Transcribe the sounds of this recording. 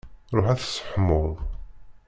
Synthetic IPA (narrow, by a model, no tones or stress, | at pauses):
ɾˤoħæθsːə̥ħmʊlˤ